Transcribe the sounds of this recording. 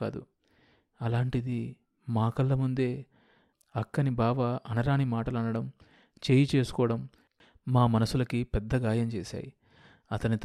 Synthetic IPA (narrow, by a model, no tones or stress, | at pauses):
a̰ːd̪ṵ | ɐlaːɳʈid̪i | maːkɐlːɐmund̪e̞ː | ɐkːɐnibaːʋɐʔɐnɐɾaːnimaːʈɐlɐnɐɽɐm | t͡ʃeːjit͡ʃe̞ːsu̥kɔːʋɐɽɐmː | aːmɐnɐsulɐkipɛd̪ːɐɡaːjɐmt͡ʃeːsa̰ːjḭ | ɐt̪ɐnit̪